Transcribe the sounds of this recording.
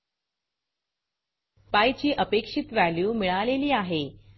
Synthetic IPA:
pajt͡ɕiːʔəpekʂit̪ʋæljuːmiɭaleliːaɦe

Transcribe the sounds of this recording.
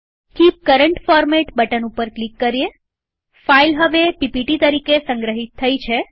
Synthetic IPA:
kip̚kəɾəɳʈfɔɾmeʈbəʈənupəɾklikːəɾije | failɦəʋepipiʈit̪əɾikesə̃ŋɡɾəɦit̪ʰːəjt͡ʃʰe

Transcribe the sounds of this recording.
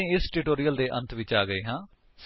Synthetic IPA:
ẽːɪsʈuːʈoːɾijəld̪eːʔə̰̃nt̪ʰʋɪt͡ʃaːɡəeːɦãː | s

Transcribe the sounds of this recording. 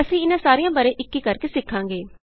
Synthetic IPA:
əsĩːɪnãːsaːɾijãːbəɾeːʔɪkːiːkəɾkeːsɪkʰːãːŋɡeː

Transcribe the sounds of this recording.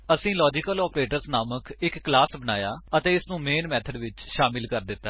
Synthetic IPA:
əsĩːlɔːd͡ʒɪkəlɔːpɾeːʈəɾsnaːməkɪkːlaːsbənaːjaːət̪ẽːɪsnũːmeːnmɛːt̪ʰəɖʋɪt͡ʃʃaːmɪlkəɾd̪ɪt̪ːaː

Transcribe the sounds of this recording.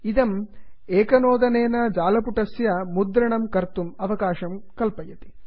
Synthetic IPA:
id̪ɐm | eːkɐnoːd̪ɐneːnɐd͡ʒaːlɐpuʈɐsjɐmud̪ɾɐɳɐmkɐɾt̪umɐʋɐkaːʃɐmkɐlpɐjɐt̪i̥

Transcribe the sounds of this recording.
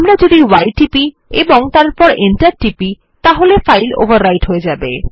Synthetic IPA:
amɾad͡ʑod̪iwajʈipi | eboŋt̪aɾɾpɔɾeɳʈaɾʈipi | t̪aɦolefajlo̰baɾːajʈɦoed͡ʑabe

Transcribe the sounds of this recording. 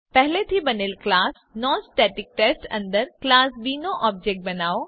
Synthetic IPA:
pɛɦlet̪ʰibɐnɪlklaːs | nɔ̃ːsʈeːʈɪk̚ʈeːsʈɐ̰̃nd̪əɾklaːsbiːnoʔɔːb̚d͡ʒek̚ʈ̚bɐnaːo

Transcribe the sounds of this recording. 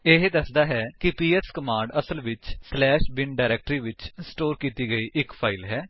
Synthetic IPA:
eɦd̪əsd̪aːɦɛːkɪpiːɛskəmãːɳɖəsəlʋɪt͡ʃslɛːʃbɪnɖaːɾɛːk̚ʈɾiːʋɪt͡ʃɪsʈoːɾkiːt̪iːɡəiːʔɪkfʰaːɪlɦɛː

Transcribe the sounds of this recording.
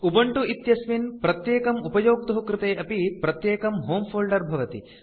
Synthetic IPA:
ubɐɳʈuʔit̪jɐsʋinpɾɐt̪jeːkɐmupɐjoːɡ̚t̪ɐɦɐkɾɪt̪eːʔɐpipɾɐt̪jeːkɐmɦoːmpʰoːlɖɐɾbʱɐʋɐt̪ḭ

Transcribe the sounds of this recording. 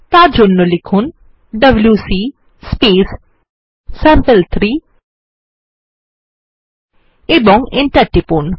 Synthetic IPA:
t̪ad͡ʒonːolikʰun | ɖɐbljusi | speːs | sɛmpəlt̪ʰɾiː | ebɔŋɡɪnʈɐʈːipun

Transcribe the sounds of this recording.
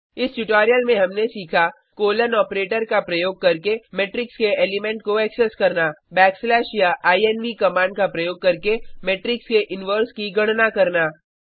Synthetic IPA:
ɪsʈʊʈaːɾijəlmẽɦɐmnesiːkʰa | koːlənɔːpɾeːʈəɾkapɾɐjoːɡ̚kɐɾkemeːʈɾɪkskeeːlɪmɛ̃ɳʈ̚koɛksɛskɐɾnaːbɛːkslɛːʃjaʔaːiɛnʋikɐmãːɳɖ̚kapɾɐjoːɡ̚kɐɾkemeːʈɾɪkskeʔɪnʋəːɾskiɡɐɽ̃nakɐɾnaː

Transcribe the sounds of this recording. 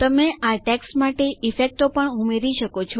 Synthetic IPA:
t̪əmeʔaʈɛksʈmaʈeifek̚ʈopəɳumeɾiʃəkot͡ʃʰo

